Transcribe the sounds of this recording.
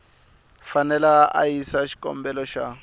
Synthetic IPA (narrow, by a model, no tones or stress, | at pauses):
fanɛlaa̰isaʃi̥kʼɔ̰mbɛlɔʃa